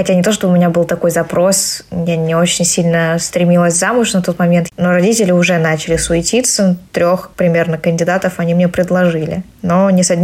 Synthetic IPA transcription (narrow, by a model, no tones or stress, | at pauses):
xɐtʲanʲɪt̪o̞ʂt̪obəʊmʲɪnʲabɨlˠt̪ɐko̞jzɐpɾo̞smjenʲɪot͡ɕɪnʲsʲilʲnəst̪ɾʲɪmʲilˠəsʲzamʊʂnɐt̪o̞t̪mɐmʲe̞nt̪no̞ɾɐdʲitʲɪlʲɪʊʐɛnat͡ɕɪlʲɪsʊɪtʲit̪sːət̪ɾʲoxpɾʲɪmʲernəkənʲdʲɪd̪at̪əfɐnʲimnʲepɾʲɪd̪lˠɐʐɨlʲɪ̰no̞nʲɪsɐdʲnʲ